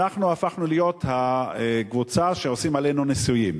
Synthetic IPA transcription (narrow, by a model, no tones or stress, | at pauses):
aχnuafaχnulijo̞thaeɡvut͡saʃeosimalenunisujim